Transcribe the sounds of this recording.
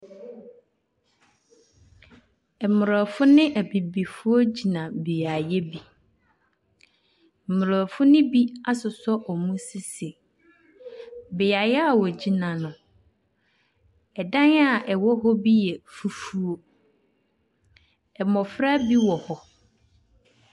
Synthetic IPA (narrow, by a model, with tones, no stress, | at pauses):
ɛ˨mʊ˨ɾɔ˨fʊ˦nɪ̃˦ʔæ˨bi˨bi˨fʊ˦o˦d͡ʑi˨nã˨be˨a˨jɛ˦bi˨ | m̩˨mʊ˨ɾɔ˨fʊ˦nɪ̃˦bi˦a˦sʊ˨sɔ˦ʔɔ˨mũ˦sɪ˦se˨ | be˨a˨jɛ˦a˨wɔ˨d͡ʑi˨nã˨nʊ̃˨ | ɛ˨dã˦n˦a˦˨ʔɛ˨wɔ˦ɦɔ˦bi˦jɛ˨fu˨fu˦o˦ | ɛ˨mɔ̃˨fɾa˦bi˦wɔ˨hɔ˨